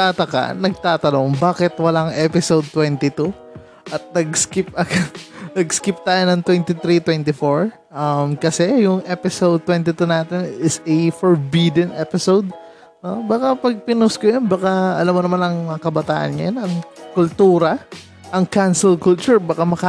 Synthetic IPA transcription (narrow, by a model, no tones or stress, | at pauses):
t̪at̪ɐka̰nɐɡ̚t̪aːt̪ɐno̞ŋbaːkɪt̪wɐlaŋʔɛpɪsowd̪̚t̪wɛnt̪ɪt̪u | ʔɐt̪̚nɐɡ̚skɪp̚ʔɐkanɐɡskɪp̚t̪aːjonɐŋt̪wɛnt̪ɪt̪ɾit̪wɛnt̪ɪfoɹ | ʔɐmkɐsɛjʊŋʔɛpɪsowd̪̚t̪wɛnt̪ɪt̪unaːt̪ɛnɪsɐjfɔɹbid̪ɛnʔɛpɪsowd̪̚ | nobɐkapɐɡ̚pɪnʊskojonbɐkaɐlamonɐmanɐŋmkɐbɐt̪a̰ːʔɐ̰nɲɐjɐnɐŋkʊlt̪uːɾɐ | ʔɐŋkansɛlkʊlt͡ʃʊɹbakamɐka